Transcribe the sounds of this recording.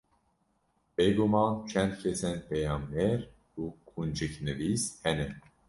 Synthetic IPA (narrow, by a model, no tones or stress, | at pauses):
b̥eɡumɑnt͡ʃʰɛnd̪̚cʰɛsɛnpʰɛjɑmːɛɾ | ukʰund͡ʒɨknɨvishɛnɛ